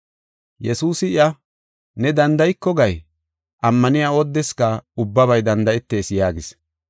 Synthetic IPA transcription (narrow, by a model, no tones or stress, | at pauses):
jɛsuːsɪɪɐ | nɛd̪ɐnd̪ɐjkːɔɡɐj | ʔɐmːɐnɪjaːɔd̪ːɛskɐʊbːɐβɐjd̪ɐnd̪ɐɛt̪ːe̞ːsjaːɡɪs